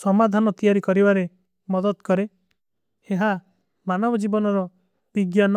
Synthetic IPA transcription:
sɔmad̪ʱanɔt̪ijaɾikɔɾibaɾe | mɔd̪ɔdt̪kɔɾe | eɦa | manɔbɔd͡ʒibɔnɔɾɔ | b̥iɡjanɔ

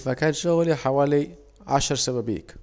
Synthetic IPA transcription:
makaːt̪ʃʊɣliħawaːli | ʕa̰ʃɑɾˤsababḭːk

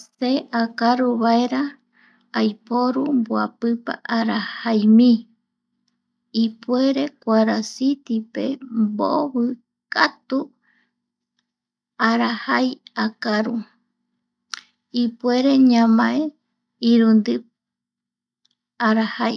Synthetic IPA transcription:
seʔakaɾuβaeɾa | ajpoɾumboa̰pɨpa̰ʔaɾahajmĩ | ipue̞ɾe̞kʷaɾasit̪ipe̞̰mbo̰βɨ | kat̪u | aɾahajakaɾu | ipe̞ɾe̞ɲãmãe | iɾund̪ɨ | aɾahaj

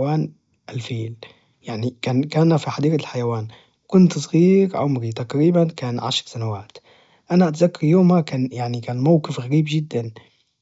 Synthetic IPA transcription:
waːn | ʔalfiːl | jaʕnikaːnkaːnfiħad̪iːqalħajawaːn | kʊnt̪sˤɣiːɾʕʊmɾit̪akɾiːbankaːnʕa̰ʃɾsanawaːt̪ | ʔanaʔat̪zakːɑɾjoːmakaːnjaʕnikaːnmawqɪfɣaɾiːbd͡ʒɪd̪ːan

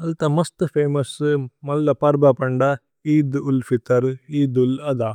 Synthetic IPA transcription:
ɐlt̪ɐmɐst̪ɨpʰeːmɐsmɐlːɐpɐɾbɐpɐɳɖɐ | iːd̪ulfit̪ɐɾiːd̪ulɐd̪aː

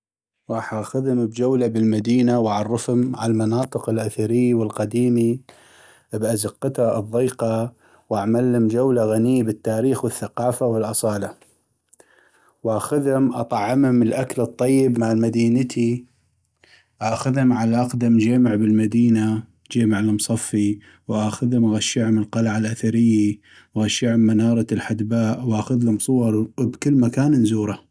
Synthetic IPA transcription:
wʔaħaxʊðhʊmbd͡ʒawlabɪlmad̪iːnawʔaʕɑrˤːɑfhʊmʕalmɑnɑːt̪ˤɨqɪlʔaθaɾɪjːwɪlqad̪iːmi | bʔazɑqːɪt̪aʔɨðˤːiːqɑ | wʔaʕmalhʊmd͡ʒawlaɣaniːbɪt̪ːaːɾiːxwɪθːaqɑːfawɪlʔɑsˤɑːla | wʔaːxʊðhʊmʔɑt̪ˤɑʕːɪmhʊməlʔakalɨt̪ˤːɑjːɪbmaʕlmad̪iːnət̪ʰi | ʔaːxʊðhʊmʕalaʔaqd̪amd͡ʒeːmɪʕbɪlmad̪iːna | d͡ʒeːmɪʕlmsˤɑfːi | wʔaːxʊðhʊmaɣaʃːɪʕʊməlqɑlaʕalʔaθaɾɪjːi | ɣaʃːɪʕʊmːanɑːɾˤɑlħad̪baːʔwʔaːxʊðhʊmsˤʊwɑɾˤbkɪlːmakaːnnzuːɾˤa

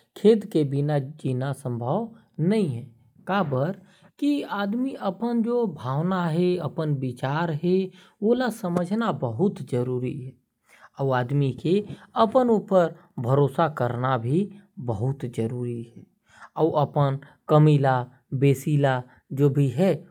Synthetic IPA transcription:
kʰeːd̪kebɪnad͡ʒiːnasə̃mbʱəʋ | nəɦĩɦɛː | kaːbəɾ | kiaːd̪miəpənd͡ʒobʱaːwnaɦɛəpənbɪt͡ʃaːɾɦɛ | oːlasəməd͡ʒʱnabəɦʊt̪d͡ʒəɾuːɾiɦɛː | əʋaːd̪mikeəpənuːpəɾ | bʱəɾoːsakəɾnabʱibəɦʊt̪d͡ʒəɾuːɾiɦɛː | əːʔəpən | kəmiːla | beːsiːla | d͡ʒoːbʱiɦɛ

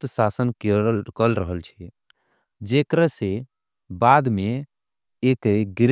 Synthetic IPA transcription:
t̪sasənkkəlɾəɦəlt͡ʃʰɛ | d͡ʒekɾəse | bad̪me | ekɡiɾ

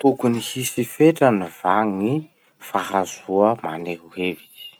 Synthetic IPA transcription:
t̪ukunihisifeʈ͡ʂanivaŋi | faɦazuəmaneɦuɦevi̥

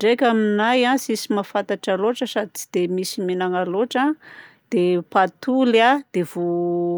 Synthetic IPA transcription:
ɳɖ͡ʐekʲaminajãsisimafant̪aʈ͡ʂaloʈ͡ʂəsad̪d̪̥emisimenaŋaloʈ͡ʂa | d̪̥epat̪ulad̪̥evo

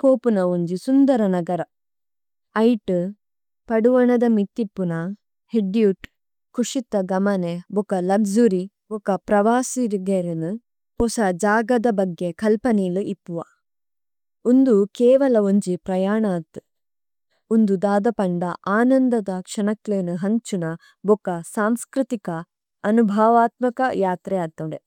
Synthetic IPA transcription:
koːpunɐoɲd͡ʒisund̪ɐɾɐnɐɡɐɾɐ | ɐjʈ | pɐɽuʋɐɳɐd̪ɐmit̪ːipːunɐ | heɖijuʈ | kuʂit̪ːɐɡɐmɐnebukɐlɐɡzuɾi | bɔkɐpɾɐʋaːsiɾɡeɾenu | ɔsɐd͡ʒaːɡɐd̪ɐbɐɡːekɐlpɐniːluʔipːuʋɐ̰ | und̪ukeːʋɐlɐoɲd͡ʒipɾɐjaːɳaːt̪u | und̪ud̪aːd̪ɐpɐɳɖɐʔaːnɐnd̪ɐd̪ɐkʂɐnɐkːlenuɦɐɲt͡ʃunɐ | bokɐsaːmskɾɨt̪ikɐ | ɐnubʱaːʋaːt̪mɐkɐjaːt̪ɾɛaːt̪ːɐɖe

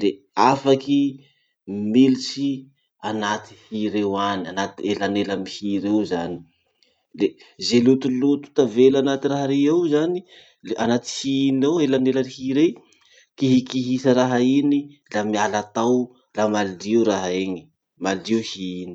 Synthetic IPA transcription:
le | afaki | milit͡ʃi | anat̪i̥hiɾewanianat̪elanelamihiɾewzani̥ | le | zelut̪ulut̪u̥t̪avelanat̪iraɦaɾeewzani | eʔanat̪i̥hiineelanelaɾihiɾe | kiɦikiɦisaɾaɦainilamialat̪aw | lamaldiɾaɦaeɲi̥ | maldiuhiini̥

